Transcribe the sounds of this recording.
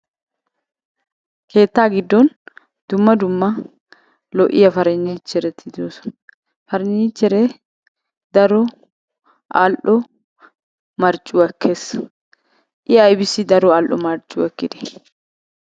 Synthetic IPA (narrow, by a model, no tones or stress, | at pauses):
kʰe̞ːt̪ːaːɡɪd̪ːɔn | d̪̥ʊmːɐd̪ʊmːɐ | lɔʔɪjɐfɐɾɛɲːiːt͡ʃːɛɾɛt̪ʰːɪd̪oːs | fɐɾɛɲːiːt͡ʃːɛɾɛ | d̪ɐɾɔ | ʔa̰ːlʔɔ | mɐɾt͡ʃʼːʊwɐkːes | ʔɪɐjbɪsːɪd̪ɐɾɔaːlʔɔmɐɾt͡ʃʼːʊɛkːɪd̪ɛ̥